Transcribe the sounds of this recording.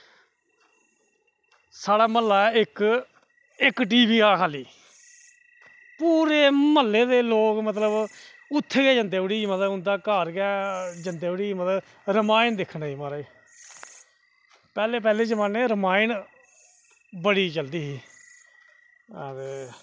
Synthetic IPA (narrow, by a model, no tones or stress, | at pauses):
saːɽaːməlːaːɛːɪk | ɪkʈ̬iːʋiːaːkʰaːliː | puːɾeːməlːeːd̪eːloːkmət̪̬ləb | ʊt̪ʰːɡɛːd͡ʒə̃nd̪eːəɽiːmət̪əɦʊ̃nd̪aːkaːɾɡɛːd͡ʒənd̪eːəɽiːmət̪ə | ɾəmaːɪnd̪ɪkʰːnaːiːmaːɾaːiː | pɛːleːp̬ɛːleːd͡ʒəmaːneːɾəmaːɪn | bəɽiːt͡ʃəld̪iːɦiː | t̪eː